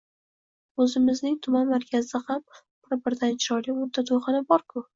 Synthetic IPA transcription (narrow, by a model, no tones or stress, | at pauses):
ɵzɪmɪznɪŋt̪ʰʊmanmaɾkʲʰazɪham | b̥ɪɾbɪɾd̪ant͡ʃʰɪɾɒlɪʊɾt̪ʰad̪ʰoχɨnɪbɒɾkʰʊ